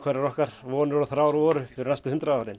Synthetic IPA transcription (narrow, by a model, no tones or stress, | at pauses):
kʰvɛɾaɾɔhkaɾ̥vɔːnɪɾɾɔθɾaːwɾɔːɾʏfɪɾɪɾnajst̪ʏhʏnt̪ɾaðaːwɾɪn